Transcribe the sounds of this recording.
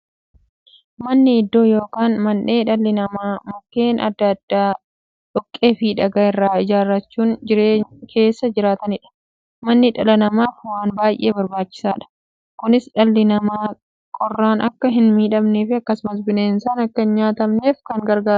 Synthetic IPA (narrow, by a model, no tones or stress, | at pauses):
mɐnːɪːd̪ːo̞ːjo̞ːkaːnmɐnɗe̞ːᶑɐlːɪnɐmaːmɔkːe̞ːnʔɐ̰d̪ːɐːd̪̥ːaː | ᶑɔkʼːeːfiᶑɐɡaːɪrːaːɪd͡ʒaːrːɐt͡ʃːuːŋd͡ʒɪɾeːkʰe̞ːsːɐd͡ʒɪɾaːt̪ɐnɪᶑɐ̥ | mɐnːɪᶑɐlɐnɐmaːfwaːnbaːjʔe̞̰ːbɐɾbaːt͡ʃːɪ̥saːᶑɐ̥ | kʊnɪsᶑɐlːɪnɐmaː | kʼɔrːaːnʔɐkːɐɦɪnmiːᶑɐmneːfɪɐkːɐsʊmɐs̬bɪneːnsaːnɐkːɐnɲaːt̪ɐmne̞ːfkɐŋɡɐɾɡaː